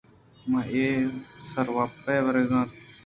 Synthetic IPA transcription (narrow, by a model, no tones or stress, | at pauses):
mãːʔeːsəɾʋaːpːeːʋəɾeːɡãːt̪